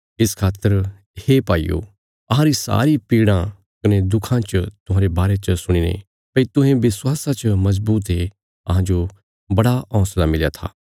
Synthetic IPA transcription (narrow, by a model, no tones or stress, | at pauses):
ɪskʰaːt̪ːəɾ | heːpaːḭjo̰ | ɐɦãɾisa̰ːɾipiːɽ̃ã | kɐnẽd̪ʊkʰãt͡ʃt̪ʊɦãːɾebaːɾet͡ʃsʊɽ̃inḛ | pɐit̪ʊ̃ɦẽʋɪswaːsat͡ʃmɐz̬buːt̪̬ɦe | ɐ̰ɦãd͡ʒo | bɐɽaʔɔ̃ːslamɪlja̰t̪ʰa̰ː